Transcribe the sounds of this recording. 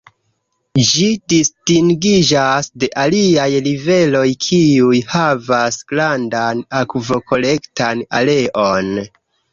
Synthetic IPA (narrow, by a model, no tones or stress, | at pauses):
d͡ʒidistiŋɡid͡ʒasde̞ʔaliajlive̞lo̞jkʰiujhavasɡ̥landanakvo̞kʰo̞le̞ktana̰le̞ʔo̞n